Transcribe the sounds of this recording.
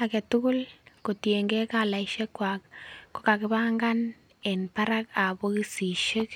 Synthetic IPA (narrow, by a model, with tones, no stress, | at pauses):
a˨kɛ˨tʊ˦kʊ˦lko˨tje˨ŋɡɛ˦kala˨iʃɛ˦kːwakːo˦ka˨kɪ˦ba˦ŋɡan | ɛnpa˦ɾaka˨bokɪ˦si˨ʃe˦k